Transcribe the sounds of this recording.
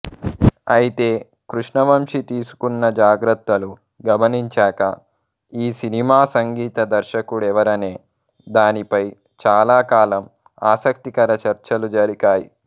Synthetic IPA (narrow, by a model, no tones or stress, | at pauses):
ɐjit̪e̞ː | kɾuʂɳɐʋɐmʂit̪iːsu̥kunːɐd͡ʒaːɡɾɐt̪wɐlu | ɡɐmɐniɲt͡ʃaːkɐ̰ | iːsinimaːsɐŋɡiːt̪ɐd̪ɐɾʃɐkuɽɛʋɐɾɐneː | d̪aːnipɐj | t͡ʃaːlaːkaːlɐm | aːsɐk̚t̪ikɐɾɐt͡ʃɐɾt͡ʃɐlud͡ʒɐɾikaːjḭ